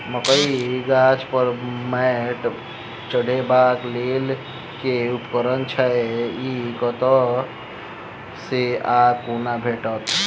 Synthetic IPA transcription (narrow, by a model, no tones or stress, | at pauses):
məkəiɡat͡ʃpəɾmɛʈ | t͡ʃəɽʱebaklel | keupkəɾənt͡ʃʰəikɔt̪ɔ | seakunabʱeʈət̪